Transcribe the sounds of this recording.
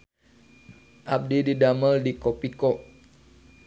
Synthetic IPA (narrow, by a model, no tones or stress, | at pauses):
ʔab̚dididaməldikopikɔʔ